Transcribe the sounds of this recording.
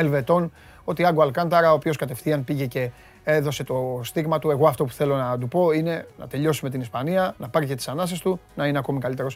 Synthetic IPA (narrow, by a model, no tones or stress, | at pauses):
elve̞t̪o̞n | o̞t̪iɐɡoɐlkɐnt̪ɐɾɐopio̞skɐt̪e̞fθiɐnpiʝe̞ce̞ | e̞ðo̞se̞t̪o̞st̪iɣmɐt̪ue̞ɣo̞ɐft̪o̞pu̥θe̞lo̞nɐt̪upo̞ine̞nɐ̰t̪e̞ʎo̞sume̞t̪̬inispɐniɐnɐpɐɾice̞t̪i̥sɐnɐs̬est̪unɐineɐko̞mikɐlit̪eɾo̞s